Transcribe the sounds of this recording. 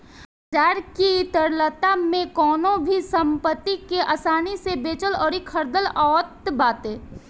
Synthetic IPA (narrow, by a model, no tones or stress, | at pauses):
ʈɛːɾkit̪əɾlət̪amẽkɔːnõbʱisə̃mpət̪ːikeʔasaːnisebeːt͡ʃəlɔːɾikʰəɾd̪əlɔːt̪baːt̪eː